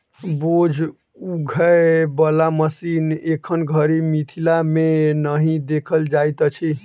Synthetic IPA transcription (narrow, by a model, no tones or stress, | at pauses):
bod͡ʒʱ | uɡʱəebəlaməsinekʰənɡʱəɾimit̪ʰilamenəɦĩd̪ekʰəld͡ʒajt̪t͡ʃʰi